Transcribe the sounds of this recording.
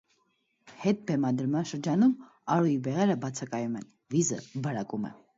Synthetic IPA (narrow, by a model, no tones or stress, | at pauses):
hɛt̪̚bɛmɑd̪əɾmɑnʃəɾd͡ʒɑnum | ɑɾujibɛʁɛɾəbɑt͡sʰɑkɑjumɛn | vizə̰bəɾɑkumɛ̰